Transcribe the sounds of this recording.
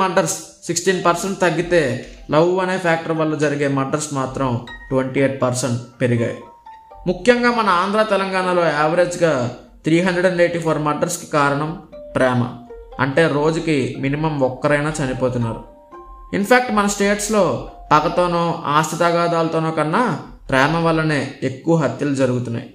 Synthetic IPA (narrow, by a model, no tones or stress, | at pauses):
ɐɖɐɾsː | iksʈiːnpɐɾsɐɳʈt̪ɐɡːit̪e̞ːlɐwuɐne̞ːpʰaːk̚ʈɐɾʋɐlːɐd͡ʒɐɾiɡe̞ːmɐɖɐɾsmaːt̪ɾɐmʈʋɐɳʈieːʈ̚pɐɾsɐɳʈpe̞ɾiɡa̰ːjḭ | mukʰjɐŋɡaːmɐnɐaːnd̪ɾaːt̪ɛlɐŋɡaːɳaːlo̞ːɛːʋɐɾe̞ːd͡ʒɡaː | t̪ɾiːɦɐnd̪ɾeɖɐɳɖeːʈːiːpʰoːɾmɐɾɖɐɾski̥kaːɾɐɳɐmpɾɛːmɐ̰ɐ̰ɳʈe̞ːɾo̞ːd͡ʒukiminimɐmɔkːɐɾɐjnaːt͡ʃɐnipoːt̪unːa̰ːɾṵ | inpʰaːk̚ʈmɐnɐsʈe̞ːʈslo̞ːpɐkːɐt̪o̞ːnoːaːst̪ʰit̪ɐɡaːd̪aːlɐt̪oːnoːkɐnːaː | pɾɛːmɐʋɐlːɐneːekːuʋɐɦɐt̪jɐlud͡ʒɐɾuɡut̪unːa̰ːji